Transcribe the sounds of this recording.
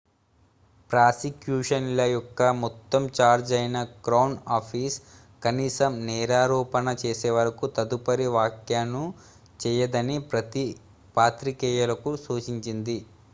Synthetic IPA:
pɾaːsikjuːʂɐnlɐjɔkːɐmɔt̪ːɐmt͡ʃaːɾd͡ʒɐjnɐkɾɐwnaːpʰiːs | kɐniːsɐmnɛːɾaːɾɔːpɐnɐt͡ʃeːseːʋɐɾɐkut̪ɐd̪upɐɾiʋaːkjaːnu | t͡ʃɛːjɐd̪ɐnipɾɐt̪i | paːt̪ɾikɛːjɐlɐkusuːt͡ʃiɲt͡ʃind̪i

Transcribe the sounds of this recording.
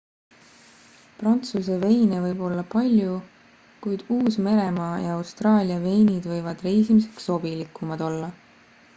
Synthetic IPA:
prɑnt̪suse̞ve̞jnevɤjb̥o̞lːɑpɑlʲju | kujd̪̥uːsme̞ɾe̞mɑːjɑɑwst̪rɑːlʲiɑve̞jnid̪̥vɤjvɑd̪̥re̞jsimise̞̥kso̞bilikːˑumɑd̪̥o̞lːɑ

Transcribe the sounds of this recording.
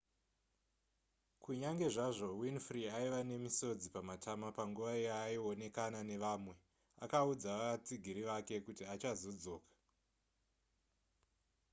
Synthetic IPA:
kuɲaŋɡe̞ʐaʐo̞winfriaiʋane̞miso̞d͡zipamatʰamapaŋɡuʋaiaːione̞kanane̞ʋaːmwe̞ | a̰kaud͡zaʋaat͡siɡʱiɾiʋake̞kutiat͡ʃazo̞d͡zo̞ːkḁ

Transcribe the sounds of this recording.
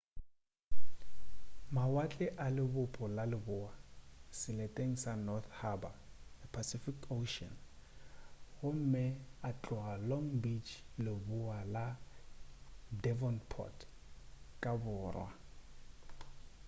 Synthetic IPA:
mawat͡ɬʼɛʔalɪbʊpʼɔlalɪbʊasɪletʼeŋ̩sanɔθhabapʰasifikʰoʃɔ̰n | ɣʊm̩mɛat͡ɬʼɔalɔŋbit͡ʃlɪbʊala | dɛvɔnpʰɔ̰t | kʼabʊːrwa̰

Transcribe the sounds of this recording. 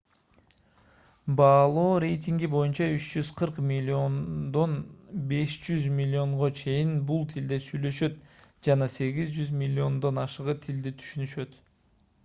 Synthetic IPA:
bɑːlˠoːɾʲe̞jt̪ʲiŋɡibo̞junt͡ʃɑyt͡ʃd͡ʒyz̥qʰɯɾqmond̪o̞nbe̞ʃd͡ʒyzmʲɪlʲːio̞ɴʁo̞t͡ʃʰe̞jinbulˠt̪ʰild̪e̞syjlø̞ʃø̞t̪d͡ʒɑnɑse̞ɡizd͡ʒyzmʲilʲːio̞nd̪o̞nɑʃɯʁɯt̪ʰild̪it̪ʰy̥ʃynyʃø̞t̪

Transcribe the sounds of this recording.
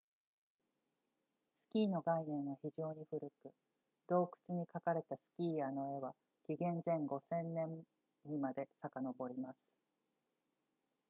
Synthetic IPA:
sɨ̥kʲiːno̞ɡainẽ̞ɰ̃βaçiʑo̞ːɲ̟iɸɯ̟ɾɯ̟kɯ̟ | d̪̥o̞ːkɯ̟̥t͡sɨɲ̟ikakaɾe̞t̪asɨ̥kʲiːano̞e̞βa | kʲiɡẽ̞nzẽ̞ŋɡo̞sẽ̞nːẽ̞m | ɲimad̪e̞sakano̞bo̞ɾʲimasɨ̥

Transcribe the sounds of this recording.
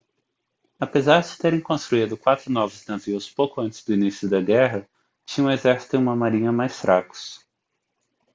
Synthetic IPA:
apezaɾd͡ʒɪt̪eɾẽŋkõst̪ɾuid̪ʊkwat̪ɾʊnɔvʊznaziwspowkʊɐ̃nt͡ʃɪ̥zd̪ʊinisiʊd̪ɐɡɛɦɐ | t͡ʃĩɲɐ̃ezɛɾsi̥t̪ʊ̃ũmɐmaɾĩɲɐmajsfɾʔakʊ̥s

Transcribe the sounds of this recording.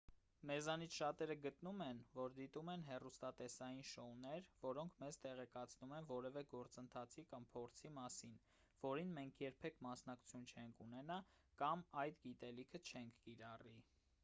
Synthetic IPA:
mɛzɑnit͡sʰʃɑt̪ɛɾəɡət̪numɛnvɔɾd̪it̪umɛnɦɛrust̪ɑt̪ɛsɑjinʃɔnɛɾvɔɾɔŋkʰmɛzt̪ɛʁɛkɑt͡sʰnumɛnvɔɾɛvɛɡɔɾt͡sənt̪ʰɑt͡sʰikɑmpʰɔɾt͡sʰimɑsin | vɔɾinmɛŋkʰjɛɾpʰɛkʰmɑsnɑku̥t͡sʰjunt͡ʃʰɛŋkʰunɛnɑ | kɑmɑjd̪ɡit̪ɛlikʰət͡ʃʰɛŋkʰkiɾɑri

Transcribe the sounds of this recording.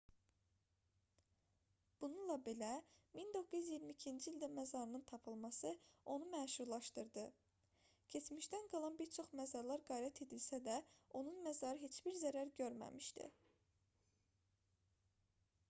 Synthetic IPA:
b̥ununlˠɑbelæmind̪o̞kʰːɯjyzjiɾmiːcʰind͡ʒiilʲd̪æmæzɑɾɯnɯnt̪ʰɑpʰɯlˠmɑsɯo̞numæːʃuɾlˠɑʃt̪ɯɾd̪ɯ | cʰe̞t͡ʃmiʃt̪ænɡɑlˠɑnbiɾt͡ʃʰo̞χmæzɑɾlˠɑɾɡɑjɾæt̪ʰe̞d̪ilsæd̪æo̞nunmæzɑɾɯɦet͡ʃb̥iɾzæɾæɾɟøɾmæ̰miʃt̪ḭ

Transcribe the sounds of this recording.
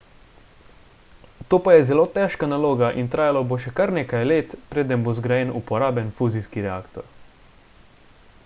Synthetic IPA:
t̪oːpajɛzɛloːt̪ɛʃkanaloːɡaʔint̪ɾaːjalaboʃɛkaɾneːkajleːt̪pɾeːd̪ɛmbozɡɾajɛnupɔɾaːbjɛnfuːziskiɾɛaːkt̪ɔ̰ɾ

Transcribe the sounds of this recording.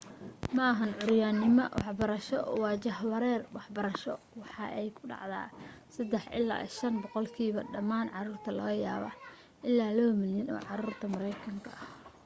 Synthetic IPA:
mɐɐɦɐnʕʊɾjaːnːɪmɔwɑħbɐɾɐʃɔwɑːt͡ʃɐhwɐɾɛːrwɑħbɐɾɐʃɔ | wɑħɑʔɛjkʰʊ̥ɖɑ̰ʕd̪a̰ːsɐd̪ɛħʔɪ̰la̰ːʔḭʃɐnbɔqɔlkʰiːβɐɖɐmaːnʕɑruːrt̪ʰɐlɐɣɐja̰ːβɐ̰ | ʔɪlːaːlɔːwmɪljɐnɔ̰ːʕɑɾuːrt̪ʰɐmɐɾɛjkʰɐŋkʰɐʔɐh

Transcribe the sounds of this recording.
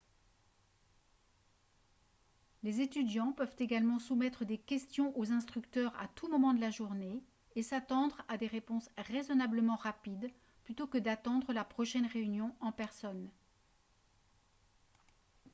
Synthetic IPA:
lezet̪yd̪jɑ̃pœvt̪eɡalmɑ̃sumɛt̪χəd̪ekʲɛst̪jɔ̃ʔozɛ̃st̪χykt̪œʁa̰t̪ʰumɔmɑ̃d̪əlaʒuʁne | esat̪ɑ̃d̪ʁad̪eʁepɔ̃sʁezɔnabləmɑ̃ʁapid̪ | plyt̪okəd̪at̪ɑ̃d̪ʁəlapχɔʃɛnʁeynjɔ̃ɑ̃pɛʁsɔn

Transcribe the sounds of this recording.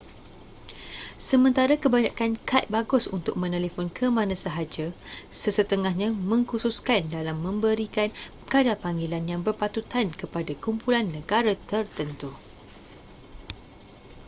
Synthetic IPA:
səmə̃nt̪aɾakəbaɲakankʰat̪̚baɡʊsṵnt̪ʊk̚mə̃nɛlefɔnkʰəmãnãsəɦad͡ʒasəsət̪əŋahɲãmə̃ŋkususkandalamːə̃mbəɾikan | kadapaŋɡilanjaŋbərpat̪ut̪ankəpadakumpulanːə̃ɡaɾat̪ərt̪ənt̪u

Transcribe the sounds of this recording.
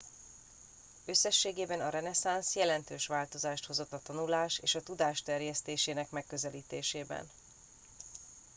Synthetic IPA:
ø̞sːɛʃːeːɡeːbɛnɒɾɛnɛsansjɛlɛnt̪øːʃʋaːlt̪o̞zaːʃt̪ho̞zo̞t̪ːɒt̪ɒnulaːʃeːʃɒt̪ud̪aːʃt̪ɛrjɛst̪eːʃeːnɛkmɛkːø̞zɛliːt̪eːʃeːbɛ̰n

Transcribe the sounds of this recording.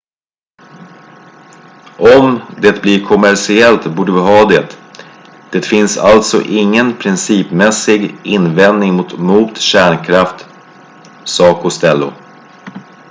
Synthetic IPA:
ɔmd̪eːt̪̚bliɾkʰɔmæɾʂɪɛlt̪buːɖəvɪɦɑːd̪eːt̪ | d̪̥eːt̪fɪnsa̰lt̪sɔ̰ʔɪŋːənpʰɾɪnsiːpmɛsɪɡɪnːvɛnd̪nɪŋmʊt̪muːt̪ɕæːɳkʰɾaft̪ | sɑːkʰʊst̪ɛlːʊ̰

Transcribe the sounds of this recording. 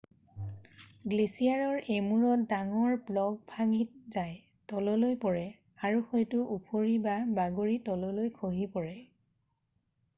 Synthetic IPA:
ɡlesijaɹɔɹemuɹɔdaŋɔɹblɔɡ̚bʱaɡit̚zaj | tɔlɔlojpɔɹɛ | aɹuxojtuʔupʰoɹibabaɡoɹitɔlɔlojkʰoɦipɔɹɛ

